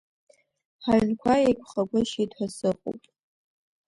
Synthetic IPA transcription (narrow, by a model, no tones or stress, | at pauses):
ħaɥnkʷʰajejkʷʰʼχaɡʷʊʃidħʷasɨqʼo̰pʼ